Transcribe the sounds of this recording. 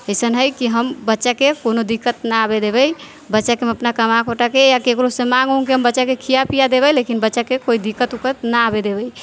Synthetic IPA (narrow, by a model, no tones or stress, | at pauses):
əsənɦəjkiɦəmbətːʃakekonod̪ikːət̪naabed̪eβəj | bətːʃakemeəpnakəmakʰoʈakejakekɾosẽmãɡɦũkiɦəmbətːʃakekʰijapijad̪eβəlekinbətːʃakekoid̪ikːət̪ukət̪naabed̪ebəj